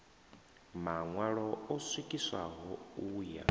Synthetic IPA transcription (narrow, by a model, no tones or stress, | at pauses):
maŋwaɺɔɔswikʼisa̰ɦɔuːja̰